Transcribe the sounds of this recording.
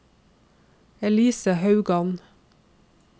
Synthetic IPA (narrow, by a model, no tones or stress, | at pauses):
ɛliːsəhɑʉɡɑn